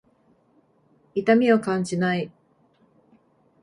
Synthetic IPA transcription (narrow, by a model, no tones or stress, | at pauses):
it̪amʲio̞kãɲd͡ʑinai